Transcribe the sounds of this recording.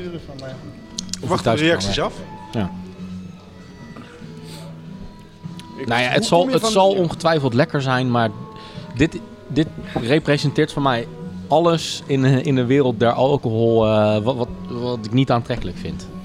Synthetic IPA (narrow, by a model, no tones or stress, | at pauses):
ʋttɛrejɑksisɑfjaː | najaətsɑlˠəsɑlˠɔnχətʋɛjfəlˠtlɛkəɹzɛjnmaːɹdɪt | dɪtrejprezəntɪːɹtfɔnmɛjɑləsɪnɪndəʋɪːrəlˠt̚dɛɹʔɑlˠkoɦɔlˠətʋɑtɪknitaːntrɛkələkfɪnt